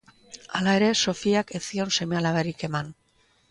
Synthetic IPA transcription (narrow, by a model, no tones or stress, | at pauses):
alae̞ɾe̞so̞fiakesio̞nse̞mealaβeɾike̞man